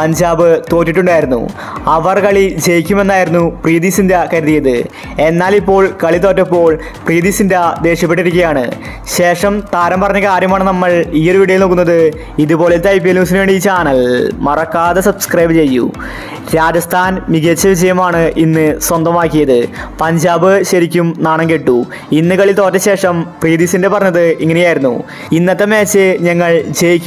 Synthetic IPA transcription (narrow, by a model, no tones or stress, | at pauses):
pɐɲd͡ʑaːbɨt̪o̞ːtːiʈːuɳɖaːjiɾunːṵ | ɐʋɐrkɐɭid͡ʑejikʲːume̞nːaːjiɾunːuprijd̪isindɐkɐɾiðijɐðɨ | e̞nːaːlipːo̞ːɭkɐɭit̪o̞ːtːɐpːo̞ːɭ | prijd̪iːsindɐd̪e̞ːʂɐp̬ːe̞ʈːiɾik̬ʲːɐjaːɳɨ̰ | ɕe̞ːʂɐmt̪aːɾɐmpɐrɐɲːɐkaːɾjɐmaːɳɨnɐmːɐɭijɐɾʋiɽɐjilnoːkːunːɐðɨ | iðupo̞ːlet̪ːeɐjpːiluːs̬inɨʋe̞ːɳɖiːt͡ɕaːɳɐlmɐrɐkːaːðesɐbskrɐjbɨt͡ɕe̞jːṵ | ɾaːd͡ʑɐst̪ʰaːnmiɡet͡ɕːɐʋid͡ʑɐjɐmaːɳɨʔinːɨswɐnd̪ɐmaːkːijɐðɨpɐɲd͡ʑaːbɨɕɐɾikʲːumnaːɳɐŋkeʈːu | inːɨkɐɭilt̪o̞ːtːɐɕe̞ːʂɐmpriːd̪isindepɐrɐɲːɐðɨiŋːɐnejaːjiɾunːṵ | inːɐt̪ːemeːt͡ɕːɨɲɐŋːɐɭd͡ʑejikʲː